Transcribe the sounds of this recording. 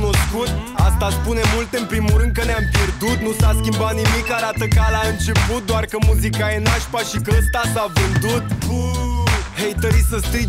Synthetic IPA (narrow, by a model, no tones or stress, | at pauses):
no̞skut̪a̰st̪aspune̞mult̪eɨnpɾimulɾɨnd̪̚kəneampje̞rd̪ut̪nusaskʲimbat̪nimikːaɾat̪əkəalaɨnt͡ʃe̞put̪̚d̪oarkəmuzikae̞naʃpaʃikəəst̪asavɨnd̪ut̪̚ | hejt̪əɾuisəst̪i